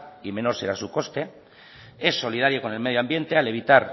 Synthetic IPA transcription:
ime̞no̞ɾse̞ɾasuko̞st̪e̞ | e̞sːo̞lið̞aɾjoko̞ne̞lme̞ð̞joambje̞nt̪e̞ale̞β̞it̪aɾ

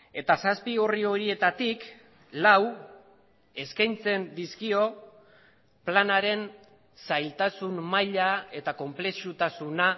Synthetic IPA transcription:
e̞t̪asaspiorio̞ɾie̞t̪at̪ik | law | e̞skajnt͡se̞nd̪iskio̞ | planaɾe̞n | sajlt̪asunmajʎae̞t̪ako̞mple̞sut̪asuna

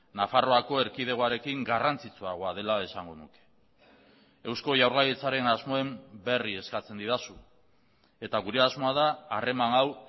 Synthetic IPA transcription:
nafaro̞ako̞e̞ɾkið̞e̞ɣoaɾe̞kiŋɡarant͡sit͡suaɣo̞að̞e̞lae̞saŋɡo̞nuke̥ | e̞wsko̞ʝawɾlajit͡saɾe̞nazmo̞e̞mbe̞rie̞skat͡se̞nd̪iðasu | e̞t̪aɣuɾe̞azmo̞aðaːre̞manaw

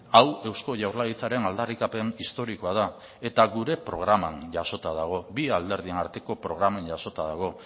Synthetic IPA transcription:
awe̞wsko̞ʝawɾlaɣit͡saɾe̞nald̪arikape̞nist̪o̞ɾiko̞að̞a | e̞t̪aɣuɾe̞pɾo̞̰ɣ̞ɾamanʝaso̞t̪að̞aɣ̞o̞biald̪e̞ɾðienaɾt̪e̞ko̞pɾo̞ɣ̞ɾamanɟaso̞t̪aðaɣ̞o̞

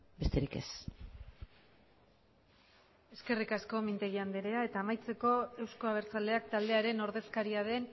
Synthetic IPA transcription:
best̪eɾikḛs | e̞ske̞rikasko̞mint̪e̞ɣiand̪eɾe̞ae̞t̪aːmajt͡se̞ko̞e̞wskoaβ̞e̞ɾt͡sale̞ak̚t̪ald̪e̞aɾe̞no̞ɾðe̞skaɾiaðe̞n

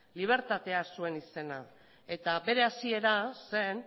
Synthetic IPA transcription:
liβ̞e̞ɾt̪at̪e̞asue̞nise̞na | e̞t̪abe̞ɾe̞asie̞ɾase̞n

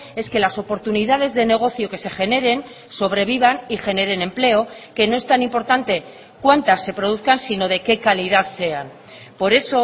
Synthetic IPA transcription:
e̞ske̞laso̞po̞ɾt̪uniðað̞e̞zðe̞ne̞ɣ̞o̞θjo̞ke̞se̞χe̞ne̞ɾe̞n | so̞βɾe̞β̞iβanixe̞ne̞ɾe̞nẽ̞mple̞oke̞no̞e̞st̪animpo̞ɾt̪ant̪e̞ | kwant̪asːe̞pɾoð̞uθkansino̞ðe̞ke̞kaliðaðse̞an | po̞ɾe̞so̞

